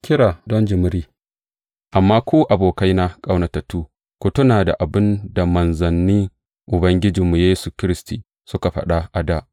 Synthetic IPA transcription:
kʲɪ˦ɽaː˨dɔ˦nd͡ʒɪ˨mʊ˦ɾiː˦ | ʔa˨mːaː˦kʷuː˦ʔa˨boː˨ka˦jna˦kʼa˦wnɐ˨tɐ˨tːuː˦ | kʷʊ˦tʊ˦naː˨da̰˨ʔa˨bɪ˦nda˨mɐ˨nzɐ˨nːiː˦ | ʔʊ˨bɐ˦ŋɡʲɪ˦d͡ʒɪ˨mːu˨jeː˦su˨kʲɪ˦ɾɪ˦stiː˨ | sʊ˦ka˨ɸɐ̰˦ɗa˦ʔa˨daː˦ʔ

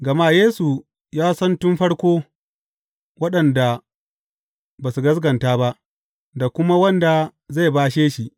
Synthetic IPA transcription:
ɡɐ˨maː˦jeː˦su˨ | jaː˦sɐ˦ntʊ˦mɸɐ˦ɽkʷoː˦ | wɐ˦ɗɐ˨nda˨ | baː˨su˨ɡɐ˦s̬ɡɐ˨ntaː˦ba˦ʔ | da˨kʷʊ˦ma˦wɐ˦nda˨za˦˨jbaː˦ʃeː˦ʃi˦ʔ

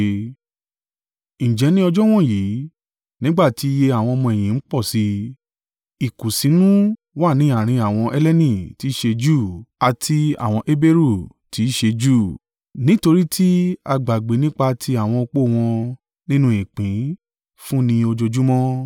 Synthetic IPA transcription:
ñ̩˨d͡ʒɛ˨˦nĩ˦ɔ˧d͡ʒɔ˦w̃ɔ̃˦˨ji˨˦ | nĩ˦ɡ͡ba˦˨ti˨˦i˧je˧a˨w̃ɔ̃˧ɔ˧mɔ̃˧ɛ˨j̃ĩ˨n̩˦k͡pɔ˦˨si˧˦ | i˨ku˨si˨˦nũ˦ | wa˦˨nĩ˨˦a˦˨ɾ̃ĩ˧a˦˨w̃ɔ̃˧ʔɛ˦lɛ˦nĩ˦˨ti˨˦ʃe˧d͡ʒuː˦˨a˨tʰi˧a̰˨w̃ɔ̃˧ʔe˦be˦ɾu˦˨ | ti˨˦ʃe˧d͡ʒu˦˨ | nĩ˦to˧ɾi˦tʰi˦a˧ɡ͡ba˨ɡ͡be˨˦nĩ˦k͡pa˧tʰi˧a˦˨w̃ɔ̃˧o˧k͡po˦˨w̃ɔ̃˧ | nĩ˦nũ˧˦i˨k͡pĩ˨˦ | fũ˦nĩ˧o˧d͡ʒo˧d͡ʒu˦mɔ̃˦

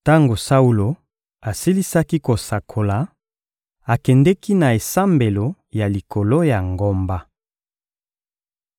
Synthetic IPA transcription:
ta˦ŋɡo˨sa˦u˦lo˨ | a˨si˦li˦sa˦ki˦ko˨sa˨kʰo˨la˨ | a˨kɛ˨ndɛ˦ki˦na˨e˨sa˦mbe˨lo˨ | ja˨li˨kʰo˨lo˦ja˨ŋɡo˦mba˦

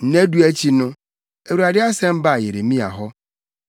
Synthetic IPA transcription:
n̩˦˨ne˦du˦æ˦t͡ɕʰi˦nʊ̃˦ | e˨wu˨a˨dɪ˦a˦sɛ̃˦m̩˦ba˦˨je˨ɾe˨mĩ˦a̰˨ɦɔ˦

